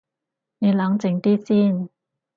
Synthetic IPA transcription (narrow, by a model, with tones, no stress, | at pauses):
ne˨˧la˨˥ŋt͡sɪ˨˧˥ŋt̪iː˥siː˥˩n